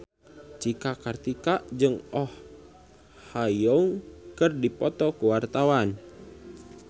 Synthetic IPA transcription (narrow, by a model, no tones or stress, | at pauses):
t͡ʃikakart̪ikaʔd͡ʒɨŋɔh | hajɔŋkɨrdipɔt̪ɔkuwart̪awan